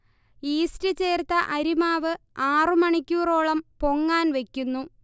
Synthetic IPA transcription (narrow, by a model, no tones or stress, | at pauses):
iːstɨt͡ɕeːrt̪ːɐʔɐɾimaːʋɨ | aːrɨmɐɳikʲːuːro̞ːɭɐmpo̞ŋːaːnʋe̞kʲːunːu